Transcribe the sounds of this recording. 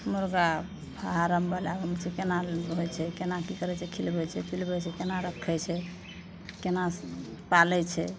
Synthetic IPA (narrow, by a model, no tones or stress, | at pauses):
moɾɡa | pʰaaɾəmbalabəmt͡ʃʰɛkenaɦojt͡ʃʰɛkenakikəɾɛt͡ʃʰɛkʰilbɛt͡ʃʰɛpʰilbɛt͡ʃʰɛkenaɾəkʰːɛt͡ʃʰɛ | kenapalɛt͡ʃʰɛ